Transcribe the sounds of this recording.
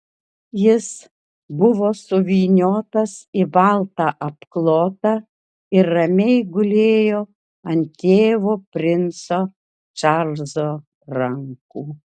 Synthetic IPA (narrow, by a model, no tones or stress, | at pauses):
jɪs | bʊʋoːsʊʋʲiːnʲoːt̪ɐsɪbɑlˠt̪ɑʔɐpklˠoːt̪ɐ | ɪɾːɐmʲɛɪɡʊlʲeːjoː | ɐnʲt̪ʲeːʋoːpʲɾʲɪnsoː | t͡ʃɑlzoː | ɾɐŋkuː